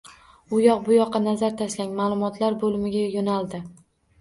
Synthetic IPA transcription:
ʊjɒqbʊjɒqːɑnazaɾt̪ʰaʃlaŋʲmaːlˠʊmɒt̪ʰlaɾbolɪmɪɡʲajonalˠd̪ɪ

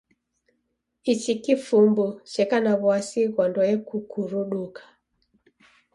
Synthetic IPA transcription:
it͡ʃikifumbut͡ʃɛkanaβwasiɣɔndɔjɛkukuɾuɗukḁ

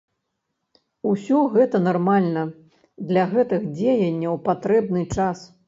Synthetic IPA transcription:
usʲɔɣɛt̪ɐnarmalʲnɐ | d̪lʲɐɣɛt̪ɨɣd͡zʲejɐnʲːɐwpat̪ɾɛbnɨt͡ʂas

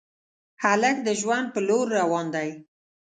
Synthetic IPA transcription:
haləkd̪əʒwand̪̚pəloɾːawɑnd̪aj

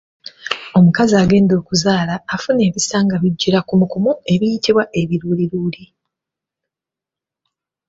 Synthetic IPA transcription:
o̞mukaziaɡe̞ːndo̞ːkuzaːlaːfune̞ːβisaːŋɡaβiɟːiɾakumukumue̞βijitiβwaʔe̞βiɾuːliɾuːli

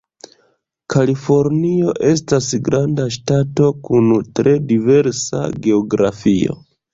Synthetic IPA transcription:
kʰalifo̞ɾnio̞ʔe̞s̬tasɡɾandaʃtato̞kuntɾʔe̞dive̞ɾsa̰ɡe̞oɡɾafio̞̰

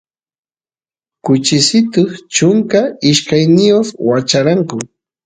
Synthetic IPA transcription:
kʊt͡ʃɪsɪt̪ʊχt͡ʃʊŋkaɪʃkajnɪjoχwat͡ʃaɾaŋkʊ

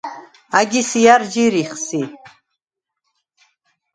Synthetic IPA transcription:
aɡʲisijaɾd͡ʒiɾiχsi

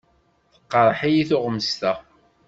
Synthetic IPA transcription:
θə̥qːɑɾˤəħajiθʊʁmːst̪æ

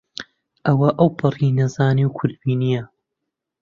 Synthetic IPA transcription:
ʔɐwɐʔɐwpʰɨrinɐzaːniwkʰʊɾd̪̚biːnijɐ

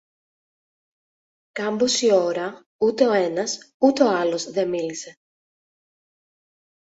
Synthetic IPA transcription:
kambosioɾɐ | ut̪eenɐsut̪oalo̞sðemilise

